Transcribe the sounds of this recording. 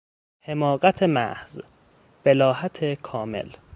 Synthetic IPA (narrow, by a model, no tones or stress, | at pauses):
he̞mɒːɢæt̪ʰemæ̰hz | b̥elɒːɦæt̪ʰekʰɒːmḛl